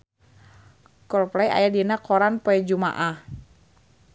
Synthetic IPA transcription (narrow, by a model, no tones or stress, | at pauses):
kɔrplaja̰jadinakʰɔɾanpɔɛd͡ʒuma̰ʔah